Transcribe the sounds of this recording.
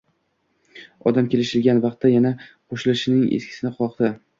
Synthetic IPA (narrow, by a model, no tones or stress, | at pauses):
ɒ̰d̪amkʲe̞lɪʃɪlɡʲanvɑqt̪ːajanaqʰoʃɪlɪʃɪnɪŋḛskʰʲɪ̥sɪnɪχɒqd̪ɪ